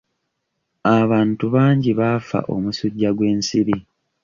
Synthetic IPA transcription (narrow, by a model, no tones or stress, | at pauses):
aβaːntuβaːɲɟiβafa̰ʔo̞̰musuɟːaɡwe̞ːnsiɾi